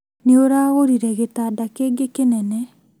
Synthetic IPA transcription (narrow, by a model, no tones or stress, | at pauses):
neoɾaːɣoɾiɾɛɣetadakeːɡekenɛnɛ